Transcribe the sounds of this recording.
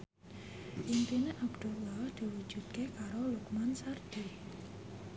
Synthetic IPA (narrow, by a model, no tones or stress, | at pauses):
ʔiŋt̪ineʔabd̪̥ulɔd̪̥i̤wud̥ʒ̥ṳt̪̚kekaɾolukmansard̪̥i